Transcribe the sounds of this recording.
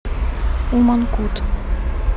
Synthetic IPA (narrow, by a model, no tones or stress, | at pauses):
umankut̪